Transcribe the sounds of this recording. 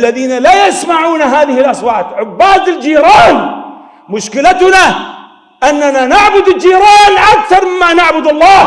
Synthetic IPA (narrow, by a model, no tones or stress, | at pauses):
lːaðiːnalajasmaʕuːnaɦaːðɪhɪlʔasˤwaːt̪ʕʊbːaːd̪ɪld͡ʒiːɾɑːn | mʊʃkɪlat̪ʊna | ʔanːananaʕbʊd̪ɪld͡ʒiːɾˤɑːnʔakθɑɾˤmɪmːanaʕbʊd̪ɑlˤːɑː